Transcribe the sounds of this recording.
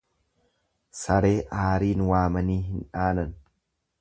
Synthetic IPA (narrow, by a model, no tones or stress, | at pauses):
sɐɾe̞ːʔaːɾiːnwaːmɐniːɦɪnᶑaːnɐn